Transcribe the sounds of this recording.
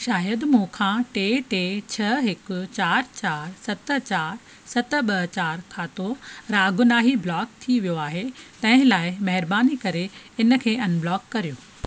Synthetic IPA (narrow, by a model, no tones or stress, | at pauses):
ʃaːjəd̪mũkʰãːʈeːʈeːt͡ɕʰɐɦɪkʊ̆t͡ɕaːɾt͡ɕaːɾsɐt̪ə̆t͡ɕaːɾ | sɐt̪̆ɓɐt͡ɕaːɾkʰãːt̪oɾaːɡʊnaːɦiblɔːk̚t̪ʰiʋijoaːɦet̪ɐ̃ɦɪ̃laːɪmɐɦɪɾbaːnikɐɾeɪn̆kʰeːɐnblɔːkːɐɾijoː